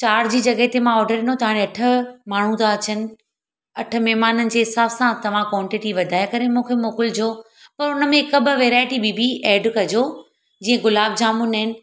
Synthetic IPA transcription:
t͡ɕaːɾd͡ʑiːd͡ʑɐɡəɦet̪emãɔːɾɖəɾɪnot̪ɐʋaːɽ̃eɐʈʰə̆maːɳ̤ũt̪ʰaɐt͡ɕənɪ̆ | ɐʈʰə̆mɛɦmaːnənɪ̆d͡ʑeːɦɪsaːbsãt̪ɐʋ̤ãkwɔ̃ːɳʈɪʈiʋɐd̪ʱaːjakɐɾemũːkʰemuõːkʊld͡ʑoː | pɐɾʊnəmẽkɐbʱʋeːɾaːjʈibʱibʱiʔeːɖkɐd͡ʑoː | d͡ʑĩːə̃ɡʊlaːb̚d͡ʑaːmunɦɪnɪ̆

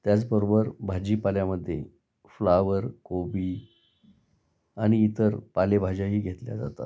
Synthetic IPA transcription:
t̪jat͡sbəɾobəɾbʱad͡ʑiːpaljaməd̪ʱːjḛ | flaʋəɾkobiː | aɽ̃iːt̪əɾpalebʱad͡ʑaɦiːɡʱet̪lja̰d͡za̰t̪a̰t̪

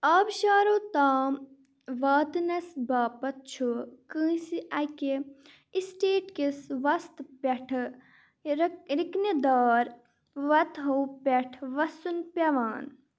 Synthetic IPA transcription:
aːbʃaːɾot̪aːm | ʋaːt̪nɐsbaːpɐt̪̚t͡ʃʰukɨ̃ːsiʔɐke | isʈeːʈkesʋɐst̪peʈʰ | ɾikned̪aːɾ | ʋɐt̪ɦɐpʲeʈʰʋɐsunpɐʋaːn

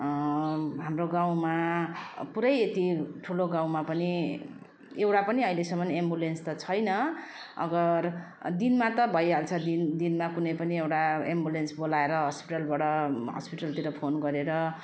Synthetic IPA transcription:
ɦamroɡaw̃ma | puɾʌjet̪iʈʰuloɡãw̃mapʌni | ewʈapʌniʌilesʌmʌnembulenst̪ʌt͡sʰʌjnʌ | ʌ̰ɡʌr | d̪inmat̪ʌbʱʌjɦalt͡sʰʌd̪ind̪inmakunʌjpʌniewʈaembulensbolaeɾʌɦʌspiʈʌlbaɽʌɦʌ̰spiʈʌlt̪iɾʌpʰonɡʌɾeɾʌ

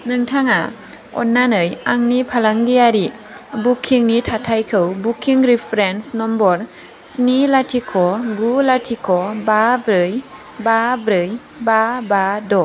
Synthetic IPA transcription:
nɯŋtʰaŋa̰ | ɔ̰nːanɯjaŋnipʰalaŋɡijaɾi | bukʰːiŋnitʰatʰajkʰɯwbukʰːiŋɾipʰɾensnɔmbɔɾ | snilatʰikʰɔɡulatʰikʰɔbabɾɯj | babɾɯj | babadɔ

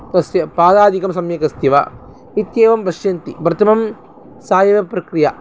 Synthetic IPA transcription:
k̪ɐsjɐpaːd̪aːd̪ʱikɐmsɐmjɐkɐst̪jɐʋa̰ | it̪jeːʋɐmbɐʃjɐnt̪ḭbɾɐt̪ɐmɐm | saːjɐʋɐpɾɐkɾija

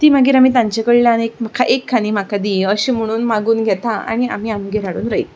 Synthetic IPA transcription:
t̪iːm̤aɡiːɾam̤iːt̪ãɲt͡ɕekəɭljanek̚m̤akʰaʔekʰːaniːm̤akad̪iəɕiːm̤əɽ̃uːnmaɡuːnɡʱɛt̪aa̰ɽ̃ia̰m̤iːamɡeɾaɽṵːnɾəḭ

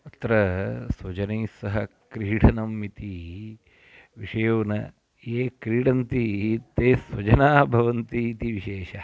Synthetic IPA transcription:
ɐt̪ɾɐsʋɐd͡ʒɐneːsɐɦɐkɾiːɽʰɐnɐmit̪i | ʋiʃɐjɐʋnɐ̰ | eːkɾiːɽɐnt̪it̪eːsʋɐd͡ʒɐnaːbʱɐʋɐnt̪it̪iʋiʃeːʃɐ

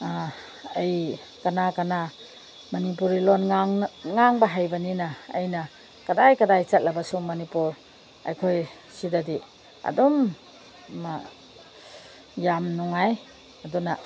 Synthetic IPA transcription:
ej | kanakana | mɐnipuɾilonŋaŋbɐɦajbɐninɐːjnɐ | kɐdajkɐdajt͡ʃɐt̚lɐbasuŋmonipuɾ | ɐ̰jkʰoj | sidadi | ɐ̰dɔm | ma | jamnuŋaj | ɐduna

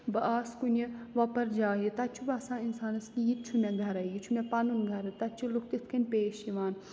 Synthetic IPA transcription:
bɐʔaːskunʲɐʋɐpɐɾd͡ʒaːjit̪ɐt͡ʃʰubaːsãːinsaːnɐskijit̪̚t͡ʃʰumʲɛ̃ɡʱɐɾɐjit͡ʃʰumẽpɐnunɡʱɐɾɨt̪ɐt͡ʃʰiluk̚ʰt̪it̪ʰkʰɐnʲpeːʃiʋaːn

